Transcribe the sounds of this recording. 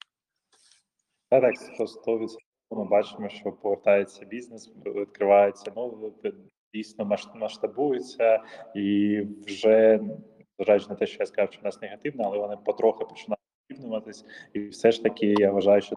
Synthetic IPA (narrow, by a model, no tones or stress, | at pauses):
d̪at̪ɑkspɔst̪ɔʋʲisʲ | ɔɔmɪbɑt͡ʃɪmɔʃt͡ʃɔpɔʋert̪ɑjet͡sʲːɐbʲiznesit̪kɾɪʋɑjet͡sʲːɐnu | dʲijsʲnɔmɐʃmɐʃt̪ɐbujʊt͡sʲːɐiwʒɛ | zʋɐʒajʊt͡ʃnɛt̪ɛʃt͡ʃɔjaskɐzɑwʃt͡ʃɔnɑsneɣɐt̪ɪʋnɐɐlˠɛʋɔnɪpɔt̪ɾɔxɪpɔ̥t͡ʃɪnɑjʊt̪d̪ʲibnʊʋɐt̪ɪsʲiwsɛʃt̪ɐkʲɪjaʋɐʒɑjʊʃt͡ʃɔ